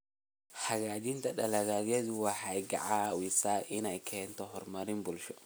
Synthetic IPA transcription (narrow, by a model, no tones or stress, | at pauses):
hɐɣaːd͡ʒɪnt̪ʰɐɗɐlɐɣaːðjɛðʊwɑħɑjɡɐ̰ʕaːwisaːʔɪnɛjkʰɛːnt̪ʰɔɦɔrmɐɾɪmbʊlʃɔ